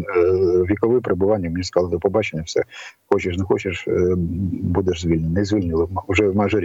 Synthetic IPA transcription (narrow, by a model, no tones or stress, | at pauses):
ʋʲikɔʋɪpɾebʊʋɑnʲːɐmenʲiskɑlˠt̪ɪpɔbɑt͡ʃenʲɐfsɛ̰xɔt͡ʃɪʃnɛxɔt͡ʃɪʃ | bud̪ɛʒzʲʋʲilʲnʲɛnɐizʲʋʲilʲnʲʊlˠɪʊʒɛwmaʒɔɾʲ